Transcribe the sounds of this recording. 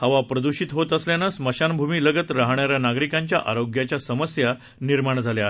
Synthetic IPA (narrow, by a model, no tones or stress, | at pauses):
həʋapɾəd̪uɕiːt̪ɦot̪əsljanəsməɕanbʱumiːləɡət̪ɾaɦɳjaɾjanaɡɾikãɲt͡ɕja̰ʔaɾoɡjat͡ɕjasəməsja | niɾmaɳd͡zʱaljaɦe